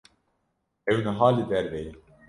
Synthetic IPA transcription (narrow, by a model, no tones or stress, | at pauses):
ɛwnɐɦaːlid̪ɛɾvɛj